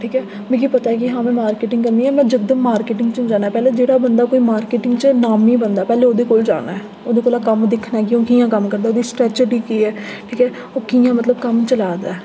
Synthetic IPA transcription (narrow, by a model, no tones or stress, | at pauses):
ʈʰiːkɛː | mɛ̃ːk̬iːpət̪aɛk̬ɪɦãːmẽːmaːɾkeːʈɪ̃ŋɡkəɾnd̪iːɛːmɛ̃ːd͡ʒək̚d̪əmːaːɾkeːʈɪŋɡt͡ʃũːd͡ʒaːnaːɛːpɛːleːd͡ʒeːɽaːbənd̪aːkoːiːmaːɾkeːʈɪ̃ŋɡt͡ʃnaːmiːbənd̪aːpɛːleːoːd̪eːkoːld͡ʒa̰ːna̰ːɛː | oːd̪eːkoːlaːkəmd̪ɪkʰnaːkɪõːkijãːkəmkəɾd̪aːoːd̪iːsʈɾɛːt͡ʃəɖiːkiːɛːʈʰiːkɛː | oːkijãːmət̪ləbkəmt͡ʃəlaːd̪a̰ːɛː